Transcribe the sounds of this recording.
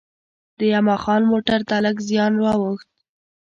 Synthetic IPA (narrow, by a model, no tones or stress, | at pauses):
d̪̥əjamaxɑnmoʈaɾt̪aləkzjɑnɾwɑwəxt̪̚